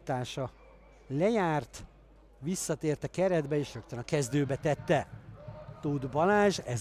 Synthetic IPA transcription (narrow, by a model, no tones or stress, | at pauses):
t̪aːʃɒ | lɛjaːrt̪ | ʋisːɒt̪eːrt̪ɛkɛɾɛd̪bɛeːʃrøk̚t̪ønɒkɛzd̪øːbɛt̪ɛt̪ːɛ | t̪ud̪bɒlaːʒɛz